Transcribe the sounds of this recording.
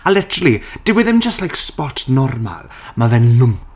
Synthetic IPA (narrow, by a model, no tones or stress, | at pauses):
alɪtʰəɾəlˠid̥ɪwɪðɛmd͡ʒəstlajkspɔtʰnɔrma̰lˠ | mavɛnlʊmp